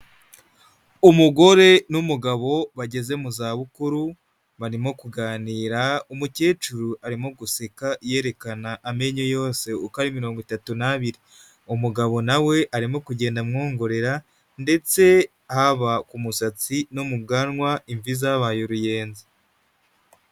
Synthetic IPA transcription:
umuɡo̞ɾe̞numuɡaβo̞βaɟe̞ze̞muzaːβukuɾu | βaɾimo̞kuɡaːniːɾaumuce̞ːt͡ʃuɾuʔaɾimo̞ɡusekaje̞ɾe̞kanaʔːme̞ɲojo̞ːse̞ukaɾimiɾo̞ːŋɡwitatunaβiɾi | umuɡaβo̞nawe̞ʔaɾimo̞kuɟe̞ːndamŋoːŋɡo̞ɾe̞ɾa | nde̞t͡se̞ | haβakumusat͡sinomub̚ɡanŋwaiɱvizaβajoɾuje̞ːnzi

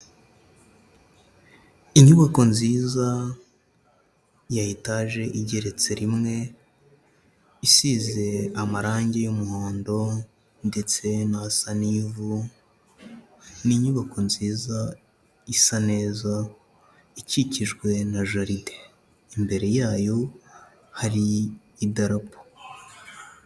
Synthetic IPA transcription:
iɲuβako̞nziːza | jajitaʒe̞ʔiɟe̞ɾe̞t͡se̞ɾimŋe̞ | isize̞amaɾaːɲɟejumuhoːndo̞ | nde̞t͡se̞nasaniːvu | niɲuβako̞nziːza | isane̞ːza | iciciʒɡwe̞naʒaɾide̥ | imbe̞ɾe̞jaːjo̞ | haɾi | idaɾapo̥

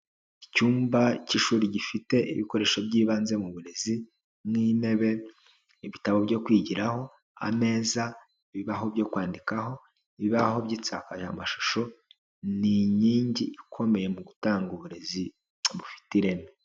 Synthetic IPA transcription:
icuːmbaciʃuːɾiɟifite̞ʔḭβiko̞ɾe̞ːʃo̞bɟiːβaːnze̞muβuɾe̞zi | mŋiːne̞βe̞ | iβitaβo̞bɟo̞kwiːɟiɾaho̞ | a̰me̞ːza | βiβaɦo̞bɟo̞ːkwaːndikaɦo̞ | βiβaɦo̞bɟiːt͡sa̰kaʒa̰maʃu̥ʃo̞ | niɲiːɲɟiʔikʰo̞me̞je̞muɡutaːŋɡuβuɾe̞zi | βufi̥tiɾe̞me

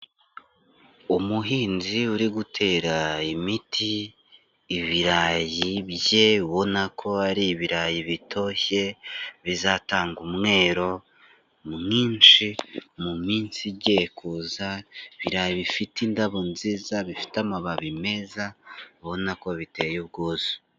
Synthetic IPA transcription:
umuɦiːnziuɾiɡutʰe̞ːɾaimitʰiː | βiɾajiβje̞uβo̞nakʰo̞aɾiːβiɾajiβitʰo̞çe̞βizaːtaːŋɡumŋe̞ːɾo̞ | mumiːnʃimumiːnsiɟekʰuzaiβiɾajiβifitindaβonziːzaβifi̥tamaβaβime̞zaβo̞nakoβite̞juβɡozi̥

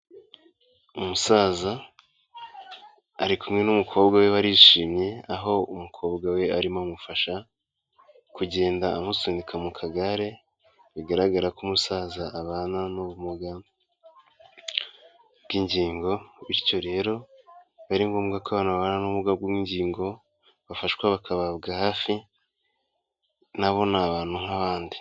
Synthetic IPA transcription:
umusaːza | ɾikumŋe̞numukʰo̞ːbɡawe̞βaɾiʃiːmɲe̞aɦo̞umukʰo̞ːbɡawe̞aɾimamufaʃa | kuɟe̞ːndaːmusiːndikʰamukʰaɡaɾe̞ | βiɡaɾaɡaɾakumusaːzaʔaβaːnanuβumuɡa | bɡiɲɟiːŋɡo̞iɾco̞ɾe̞ːɾo̞βaɾiŋɡoːmɡakaβaːnuaβaːnanuβuβuɡabɡwiɲɟiːŋɡo̞ | βafaʃkwaβakʰaβaβɡahaːfi | naβo̞naβaːn̥huŋaβaːndi

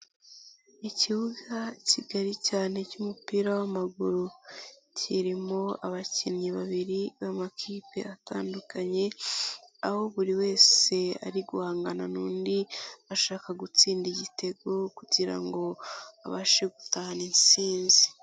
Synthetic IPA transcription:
icihuɡaciɡaɾicaːne̞cumupiːɾawamaɡuɾucʰiɾimo̞aβacinɲiβaβiɾiβamakʰiːpe̞̰ata̰ːndukaɲe̞ | aho̞βuɾiwe̞ːse̞a̰ɾiɡuhaːŋɡananuːndiaʃaːkaɡut͡siːndiɟite̞ɡo̞kuɟiɾa̰ŋɡo̞a̰βaʃeɡu̥taaninsiːnzi̥

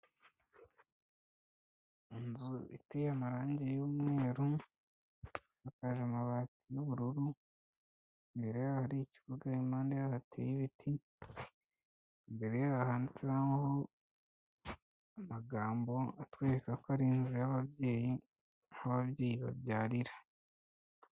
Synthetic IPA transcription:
inzuḭtejamaɾaːɲɟejuːmŋe̞ːɾu | asakaʒamaβaːtijoβuɾuɾu | mbeɾejaːhaɾiicivuɡaimaːndejahatʰeːjiβitʰi | mbe̞ɾejeβahaːndit͡seɾaho | amaɡaːmbo̞atweːɾekakoaɾiːnzujaβaβjeːji | naβabɟe̞ːjiβa̰bɟaːɾiɾḁ

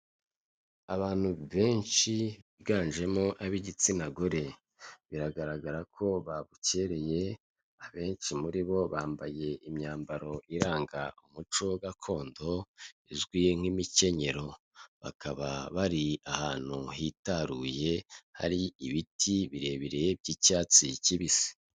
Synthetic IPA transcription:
aβaːn̥huβe̞ːnt͡ʃiβiɡaːnʒe̞mo̞ʔaβiɟit͡sinaɡo̞ɾe̞ | βiɾaɡaɾaɡaɾakʰo̞βaβuce̞ɾe̞je̞ | aβe̞ːnʃimuɾiβo̞βaːmbaje̞imɲaːmbaɾo̞ʔiɾaːŋɡaumut͡ʃo̞ɡakʰo̞ːndo̞izɡwiŋ̥imice̞ɲe̞ɾo̞ | βa̰kʰaβaβaɾiahaːn̥huɦitaɾuːje̞ha̰ɾiiβitʰiβiɾe̞βiɾeb̚ɟicaːt͡siciβisi̥

